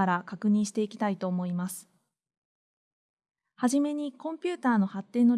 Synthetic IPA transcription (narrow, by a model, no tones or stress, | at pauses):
aɾakakɯ̟ɲ̟ĩɰ̃ɕi̥t̪e̞ikʲi̥t̪ait̪o̞ːmo̞imasɨ̥ | haʑime̞ɲ̟ikõ̞mpʲɨ̟ːt̪aːno̞hat̪ːe̞ːnːo̞